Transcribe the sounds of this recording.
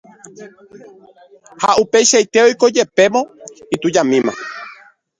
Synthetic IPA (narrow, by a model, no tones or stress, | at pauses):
haʔupe̞jʃajt̪eojko̞d͡ʒe̞pe̞mõ̞it̪ud͡ʒamĩmã̰